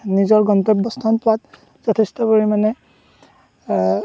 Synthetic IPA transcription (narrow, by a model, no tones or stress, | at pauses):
nizɔɹɡɔntɔbːɔstʰɔnpʊat̚ | z̥ɔtʰɛstɔpoɹimanɛ